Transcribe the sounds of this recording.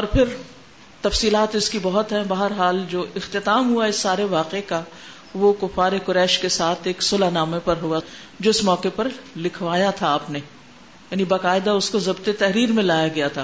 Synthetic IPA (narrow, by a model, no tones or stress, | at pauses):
ɔːɾpʰɪɾ | t̪ɐfsiːlaːt̪ɪskibɐɦʊt̪ɦɛ̃bɐɦəɾɦaːld͡ʒoːʔɪxt̪ɪt̪aːmɦuaɪsːaːɾeʋaːqeeka | ʋokʊfaːɾekʊɾɛːʃkesaːt̪ʰeːksʊlanaːmẽpɐɾɦua | d͡ʒoːɪsmɔːqepɐɾlɪkʰʋaːjat̪ʰaːpne | jaːnibaːqaːɪd̪aʊskozɐbt̪et̪ɛɦɾiːɾmẽlaːjaɡɐjat̪ʰaː